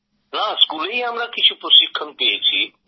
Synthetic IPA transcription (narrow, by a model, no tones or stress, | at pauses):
naskuːleiɦɐmɾakɪt͡ʃʰupʊsɪkʰːənpiet͡ʃʰḭ